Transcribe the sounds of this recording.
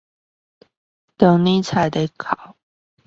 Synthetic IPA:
t̪ə˨˦ŋni˥˦t͡sʰa˨˧˦t̪e˨˧˦kʰɑ˨˦ʊ

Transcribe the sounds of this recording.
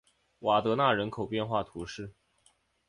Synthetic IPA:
wa˨˩t̪ɤ˧˥na˥˩ɻə˧˥nkʰo˨˩ʊpjɛ˥˧nxwa˥˩t̪ʰu˧˥ʂɻ̩˥˩

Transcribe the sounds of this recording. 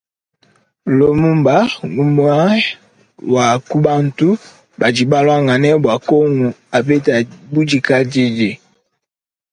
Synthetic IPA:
lo˨mu˦mba˦ŋu˦mu˦a˦ | wa˨ku˦ba˦n̩˨tu˦ | ba˨d͡ʒi˨ba˦la˦ŋa˨nɛ˦bwa˨ko˦ŋu˨a˨pe˦ta˨bu˦d͡ʒi˨ka˦d͡ʒi˦d͡ʒe˨

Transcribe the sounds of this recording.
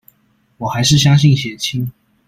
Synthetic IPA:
wɔ˨˩xa˧˥ɪʂɻ̩˥˩ɕjɑ˥ŋɕ̬i˥˩ŋɕjɛ˨˩nt͡ɕʰi˥n

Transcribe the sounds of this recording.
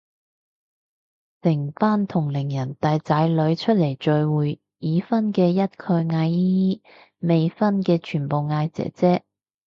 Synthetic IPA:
sɪ˨˩ŋfaː˥nt̪ʰʊ˨˩ŋlɪ˨˩ŋjɐ˨˩nt̪ɐː˨jt͡saː˨˧˥jlɵ˨˧ɥt͡ʃʰɵ˥t̚le˨˩jt͡ʃɵ˨ɥwuː˨j | iː˨˧fɐ˥nkɛː˧jɐ˥t̚kʰɵ˧ɥŋaː˧jiːiː˥ | me˨jfɐ˥nkɛː˧t͡ʃʰyː˨˩npo˨wŋaː˧jt͡sɛ̰ː˨˥t͡sɛː˥

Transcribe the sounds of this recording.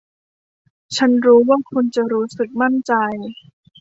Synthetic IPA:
t͡ɕʰa˦˥nɾuː˦˥waː˥˩kʰu˧nt͡ɕa˨˩ɾuː˦˥sɯ˨˩k̚ma˥˩nt͡ɕa˧j

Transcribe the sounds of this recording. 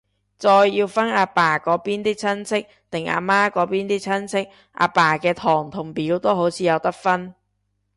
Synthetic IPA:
t͡sɔː˧jːiː˧wfɐ˥naː˨˧paː˨˩kɔː˨˥piː˥nt̪iː˥t͡sʰɐ˥nsʰɪ˥k̚t̪ɪ˨˩ŋʔa̰ː˧maː˥kɔː˨˥piː˥nt̪iː˥t͡sʰɐ˥nsʰɪ˥k̚ | ʔa̰ː˨˧paː˨˩kɛː˧t̪ʰɔː˨˩ŋt̪ʰʊ˨˩ŋpiː˨˥wt̪o˥wɦo˨˥wt͡sʰiː˨˧jɐ˨˧wt̪ɐ˥k̚fɐ˥n

